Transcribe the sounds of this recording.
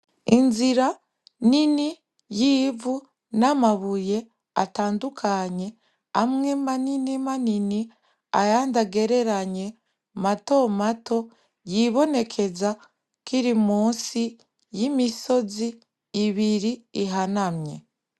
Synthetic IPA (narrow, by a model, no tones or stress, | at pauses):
inziɾa | nini | jivu | namaβuje̞ | a̰taːndukʰaɲe̞ | amŋemaninimanini | ajandaɡe̞ɾe̞ɾaɲe̞ | mato̞mato̞ | jiβo̞ne̞kʰe̞za | kiɾimuːnsi | jimiso̞ziː | βiɾiiɦanamɲe̞̰